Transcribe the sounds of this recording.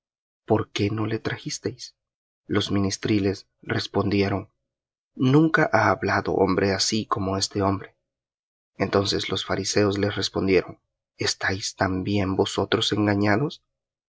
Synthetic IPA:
po̞ɾke̞no̞le̞t̪ɾaxist̪e̞js | lo̞zmĩnist̪ɾile̞s | re̞spo̞nd̪je̞ɾo̞ŋ | nũŋkaʔaːβlaðo̞̰ʔo̞̰mbɾe̞asiko̞mo̞e̞st̪e̞o̞mbɾe̞ | ent̪o̞nse̞slosfaɾise̞oslesre̞spo̞nd̪je̞ɾo̞ŋ | e̞st̪ajst̪ambje̞mbo̞so̞t̪ɾo̞se̞ŋɡaɲaðo̞s

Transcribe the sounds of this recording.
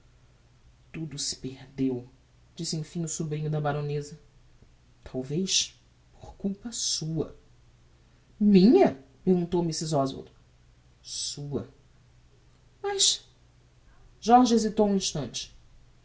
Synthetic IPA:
t̪ud̪ʊsɪ̥pehd̪ew | d͡ʒisɪẽj̃fĩɲʊsubɾĩɲʊd̪ɐbaɾõnezɐ | t̪ʰawvejʃ | po̥ɾkuwpɐsuɐ̰ | mĩɲɐpehɡũnt̪owmisizɔzo̰d̪ʊ | suɐ | mɐjʃ | ʒɔɾʒezit̪owũĩʃt̪ɐ̃nt͡ʃɪ̥

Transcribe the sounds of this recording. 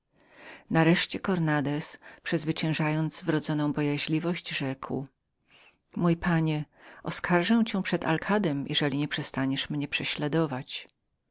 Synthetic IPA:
naɾɛʂt͡ɕɛkɔɾnad̪ɛspʂɛzvɘt͡ɕɛ̃w̃ʐajɔnd̪zvɾɔd̪zɔnɔ̃w̃bɔjaʑlʲivɔɕt͡ɕʐɛkw | mujpaɲɛɔskʰaɾʐɛw̃t͡ɕɛ̃w̃pʂɛd̪a̰lkʰad̪ɛmjʔɛʐɛlʲiɲɛpʂɛst̪aɲɛʂmɲɛpʂɛɕlad̪ɔvat͡ɕ

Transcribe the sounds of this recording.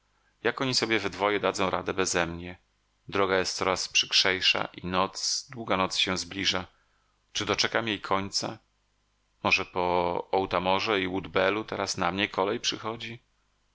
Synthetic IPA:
jakɔɲisɔbʲjɛvɘd̪vɔjɛd̪ad̪zɔ̃w̃ɾʔa̰d̪ɛbɛzɛmɲɛ | d̪ɾɔɡajɛst̪sɔɾaspʂɘ̥kʂɛjʂa̰ʔinɔt̪sd̪wuɡanɔt̪sɕɛ̃zblʲiʐa | t͡ʂɘd̪ɔt͡ʂɛkamjejkʰɔɲt̪sa̰ | mɔʐɛpɔɔwt̪amɔʐɛiwud̪bɛlut̪ɛɾasna̰mɲɛkʰɔlɛjpʂɘxɔd͡ʑi

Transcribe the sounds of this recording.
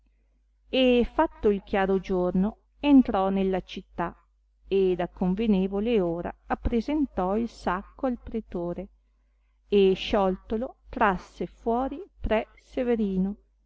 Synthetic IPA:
efat̪ːoilkjaːɾod͡ʒorno | ent̪ɾɔnelːat͡ʃit̪ːa | ed̪akoɱveneːvoleoːɾa̰apːɾezent̪ɔilsakːoalpɾet̪oːɾe | eʃɔlt̪olot̪ɾasːefwɔːɾipɾɛ | seveɾiːno

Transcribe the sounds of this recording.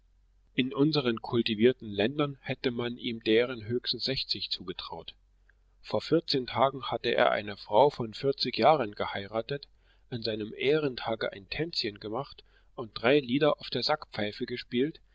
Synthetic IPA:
ʔɪnʔʊnzəʁənkʰʊltiviːɐtn̩lɛndɐnhɛtəmanʔiːmdeːʁ̞ənɦøːçstn̩sz̥ɛçt͡sɪçt͡suːɡətʁ̥a̰ʊt | foːɐfɪɐt͡seːntʰaːɡŋ̩hatəʔḛːɐʔa̰ɪnəfʁ̥aʊfɔnfɪɐt͡sɪçjaːʁənɡəhaɪʁaːtət | ʔanzaɪnəmʔeːʁ̞əntʰaːɡə̰ʔa̰ɪntʰɛnt͡sçənɡəmaχt | ʊnt̚d̥ʁaɪliːdɐʔaʊfd̥eːɐzakpp͡faɪfəɡəʃpiːlt

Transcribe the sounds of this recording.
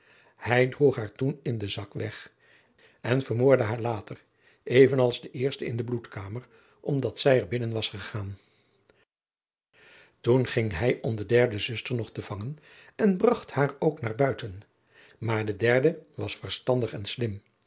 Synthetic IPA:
hɛjdruχɦaːɹtunɪndəzɑkʋɛχ | ɛnvərmoːɹdəɦaːɹlaːtər | ʔejvənɑlˠzdəʔɪːɹstəɪndəblutkaːməɹ | ʔɔmdɑtsɛjəɹbɪnənʋɑsχəχaːn | tunχɪŋɦɛjʔɔmdədɛɹdəzʏstəɹnɔχtəv̥ɑŋən | ɛnbrɑχthaːɹowknaːɹbœɥtən | maːɹdədɛɹdəʋɑsfərstɑndəχɛnslɪm

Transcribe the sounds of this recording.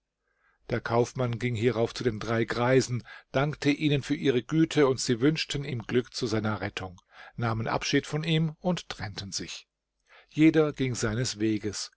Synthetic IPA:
d̥eːɐkʰaʊfmanɡɪŋhiːʁaʊft͡sudeːndʁaɪɡʁaɪzn̩d̥aŋktʰəʔiːnənfyːɐʔiːʁ̞əɡyːtʰəʊntz̥iːvʏnʃtən̩iːmɡlʏkt͡suzaɪnɐʁɛtʰʊŋ | naːmənʔa̰pʃiːtfɔniːmʊnttʁ̥ɛntən̩zɪç | jeːdɐɡɪŋzaɪnəsv̥eːɡəs

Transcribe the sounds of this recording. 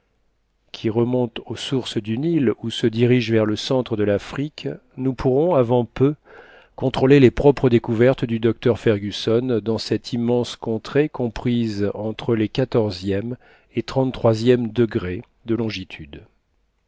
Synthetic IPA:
kʲʰiʁəmɔ̃t̪osuʁsd̪ynilusəd̪iʁiʒvɛʁləsɑ̃t̪χəd̪əlafχik | nupʰuʁɔ̃avɑ̃pø | kɔ̃t̪χolelepχɔpχəd̪ekuvɛʁt̪d̪yd̪ɔk̚t̪œʁfɛʁɡʲysɔnd̪ɑ̃sɛt̪ʰimːɑ̃skɔ̃t̪χekɔ̃pχizɑ̃t̪χəlekat̪ɔʁzjɛm | et̪χɑ̃nt̪ːχwazjɛmd̪əɡʁe | d̪əlɔ̃ʒit̪ʰyd̪

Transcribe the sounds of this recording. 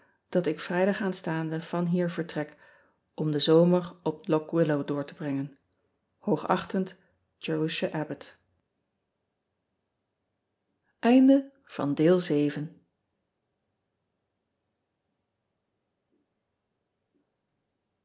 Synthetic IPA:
d̥ɑtɪkfrɛjdɑχaːnstaːndəv̥ɑnɦiːɹvəɹtrɛk | ʔɔmdəzowməɹɔp̚lɔkwɪlowdʊːɹtəbrɛŋən | howχɑ̰χtənt | d͡ʒowɪʃəʔɛbət | ʔɛjndə | v̥ɑ̰ndɪːlˠzejvən

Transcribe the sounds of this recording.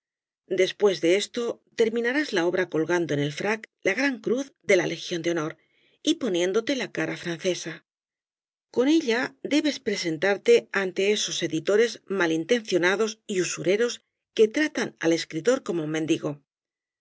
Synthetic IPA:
d̪e̞spwe̞zðe̞e̞st̪o̞t̪e̞ɾmĩnaɾazlao̞β̞ɾako̞lɣand̪o̞ene̞lfɾaklaɣɾaŋkɾuθðe̞lale̞xjo̞nd̪eo̞no̞ɾ | ipo̞nje̞nd̪o̞t̪e̞lakaɾafɾanθe̞sa | ko̞ne̞ʎad̪e̞βe̞spɾe̞se̞nt̪aɾt̪e̞ant̪e̞e̞so̞se̞ðit̪o̞ɾe̞zmalint̪e̞nθjo̞naðo̞siusuɾe̞ɾo̞s | ke̞t̪ɾat̪ana̰le̞skɾit̪o̞ɾko̞moumend̪iɣo̞

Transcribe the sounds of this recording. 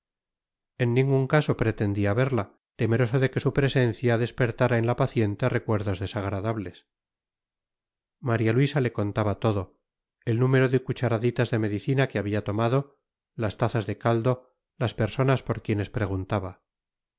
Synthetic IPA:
e̞nːĩŋɡuŋkaso̞pɾe̞t̪e̞nd̪iaβe̞ɾla | t̪e̞me̞ɾo̞so̞ðe̞ke̞supɾe̞se̞n̟θjaðe̞spe̞ɾt̪aɾaenlapaθje̞nt̪ere̞kwe̞ɾðo̞zðe̞saɣ̞ɾaðaβle̞s | maɾjalwisale̞ko̞nt̪aβat̪o̞ðo̞ | e̞lnume̞ɾo̞ðekut͡ʃaɾaðit̪azðe̞me̞ðiθinakeaβiat̪o̞maðo̞ | last̪aθazðe̞kald̪o̞ | laspe̞ɾso̞naspo̞ɾkje̞ne̞spɾe̞ɣunt̪aβa

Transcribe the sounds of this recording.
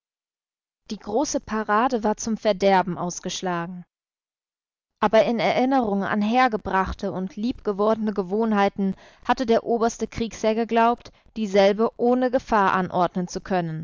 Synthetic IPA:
d̥iːɡʁoːsəpʰaʁaːdəvaːɐt͡sʊmfɛɐdɛɐbm̩ʔaʊsɡ̥əʃlaːɡŋ̩ | ʔaːbɐɪnɛɐʔɪnəʁʊŋənʔa̰nɦeːɐɡəbʁaχtʰəʊntʰliːpɡ̥əvɔɐdn̩əɡəvoːnɦaɪtn̩ | hatədeːɐʔoːbɐstəkʁ̥iːkshɛːɐɡəɡlaʊpt | d̥iːzɛlbəʔoːnəɡəfaːɐʔanʔɔɐdnənt͡sukʰœnən

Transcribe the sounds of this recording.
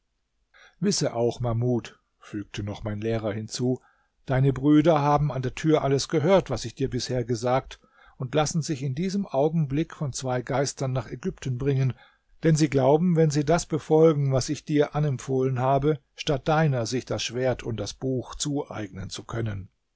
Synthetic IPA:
vɪsəʔaʊxmamuːt | fyːk̚tʰənɔχmaɪnleːʁɐhɪnt͡suː | d̥aɪnəbʁyːdɐɦaːbm̩andeːɐtʰyːɐʔaləsɡ̥əɦøːɐtv̥asɪçd̥iːɐbɪsheːɐɡəzaːk̚t | ʊntlasn̩zɪçɪndiːzəmʔaʊɡŋ̩blɪkfɔnt͡sv̥aɪɡaɪstɐnːaːχɛɡʏptn̩bʁɪŋən | d̥ɛnziːɡlaʊbm̩vɛnziːdasb̥əfɔlɡŋ̩vasɪçd̥iːɐʔanɛmpfoːlənhaːbə | ʃtat̚d̥aɪnɐzɪçd̥asʃv̥eːɐtʰʊmd̥asb̥uːxt͡suːʔa̰ɪɡnənt͡sukʰœnən

